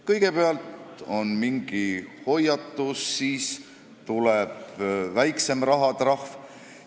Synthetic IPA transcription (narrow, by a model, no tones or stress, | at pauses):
kɤjɡ̥e̞peɑlt̪o̞nmiŋɡ̥iho̞jɑt̪ːˑusːiːs | t̪ulɛb̥væjkse̞mrɑɦɑt̪rɑhv